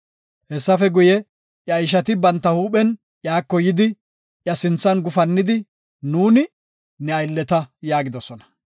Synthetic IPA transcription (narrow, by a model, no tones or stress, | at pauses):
hɛsːɐfɛɡʊjɛ | ʔjɐjɪʃ̬ɐt̪ɪbɐnt̪ːɐhuːɓɛn | ʔjaːkːɔjɪd̪ɪ | ʔjɐsɪnt͡sːɐnɡʊfɐnːɪd̪ɪ | nuːnɪ | nɛɐjlːɛt̪ɐjaːɡɪd̪ɔsɔnɐ̥